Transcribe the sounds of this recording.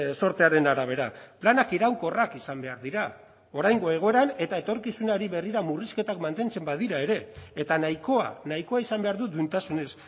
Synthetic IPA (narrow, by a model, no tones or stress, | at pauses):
so̞ɾt̪e̞aɾe̞naɾaβ̞e̞ɾaplanakiɾawŋko̞rakisambe̞aɾðiɾa | o̞ɾajŋɡo̞e̞ɣ̞o̞e̞ɾane̞t̪ae̞t̪o̞ɾkisunaɾiβe̞riɾamuriske̞t̪akmant̪e̞nt͡se̞mbað̞iɾae̞ɾe̞ːt̪anajko̞a̰naiko̞aisambe̞aɾðud̪unt̪asune̞s